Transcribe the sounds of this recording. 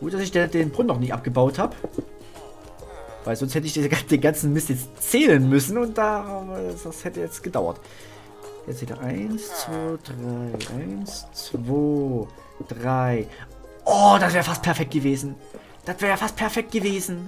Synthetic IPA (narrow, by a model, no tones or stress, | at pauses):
ɡ̥uːt̚d̥asɪçd̥edeːnbʁʊnːɔχniːʔa̰p̚ɡ̥əbaʊthaːb | vaɪlzɔnsthɛtəɪçd̥id̥eːnɡant͡sn̩mɪstjɛt͡stt͡sɛːlənmʏsn̩ʊnt̚d̥aːd̥ashɛtəjɛt͡stɡ̥ədaʊɐ̰t | jɛt͡sthʰɛːləɐ̰ʔaɪnst͡sv̥oːd̥ʁaɪʔa̰ɪnst͡sv̥oː | d̥ʁaɪ | ʔɔːd̥asvɛːʁəfast̚pʰɛɐfɛk̚t̚ɡ̥əveːzn̩ | d̥atvɛːʁjəfast̚pʰɛɐfɛk̚t̚ɡ̥əveːzn̩